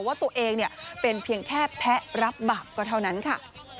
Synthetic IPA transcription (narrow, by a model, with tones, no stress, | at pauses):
waː˥˩t̪u˧əʔeː˧ŋni˥˩əpe˧npʰi˧əŋkʰɛː˥˩pʰɛ˦˥ɾa˦˥p̚baː˨˩p̚kɔː˧˩t̪ʰa˥˩wna˦˥nkʰa˥˩